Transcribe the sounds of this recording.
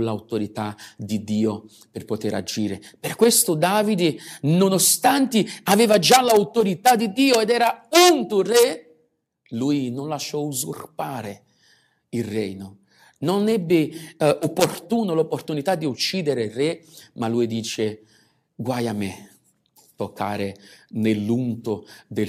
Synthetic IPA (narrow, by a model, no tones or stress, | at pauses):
lawt̪oɾit̪ad̪id̪iːo | pɪrpot̪eɾa̰d͡ʒiːɾɪpɪrkwest̪ʊd̪aːvid̪ɪnonost̪ant̪ɪavɛːvad͡ʒalawt̪oɾit̪ad̪id̪iːoɛd̪ɛːɾaunt̪urɛ | luːjnʊnlaʃːɔuzurpaːɾɪ | irɛjnʊ | nonɛbːɪopːort̪uːnʊlopːort̪unit̪ad̪ːiut͡ʃːiːd̪ɪɾɪrɛmaluːjd̪iːt͡ʃɪ | ɡwajamːɛ̰ | t̪okʰːa̰ːɾɪnelːunt̪ʊd̪ɪ